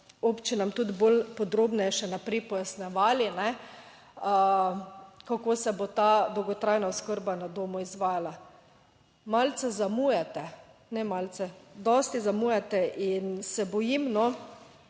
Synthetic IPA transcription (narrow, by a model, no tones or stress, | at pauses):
opt͡ʃinamt̪ut̪bolpɔd̪ɾoːbnɛjɛʃɛnapɾɛjpɔjasnɛʋaːlinɛ | ə | kakosɛbot̪ad̪ɔwɡɔt̪ɾajnaʊskəɾbanad̪oːmɔizʋaːjala | malt̪sɛzamujɛt̪ɛ | nɛmalt̪t͡s̪ɛd̪ɔst̪izamujɛt̪ɛʔinsɛbɔjimnɔ